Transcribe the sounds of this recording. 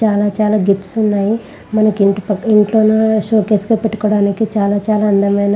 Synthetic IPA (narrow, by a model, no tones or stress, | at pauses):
aːlaːt͡ʃaːlaːɡipʈsunːaːji | mɐnɐkiɳʈipɐiɳʈloːnaʃoːkeːsɡopeʈːu̥kɔːɽaːnikit͡ʃaːlaːt͡ʃaːlaːɐnd̪ɐmɐjnɐ